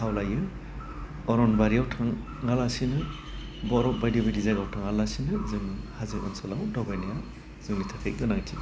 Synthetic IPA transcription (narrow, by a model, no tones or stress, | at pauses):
hawlajɯ | ɔɾɔnbaɾiawtʰaŋː | alasinɯ | bɔɾɔbajdɔbajdizaɡawtʰaŋalasinɯzɯŋhazɯkɔnsɔlawdɔɡajnija | zɯŋmitʰakʰek̚dɯnaŋtʰi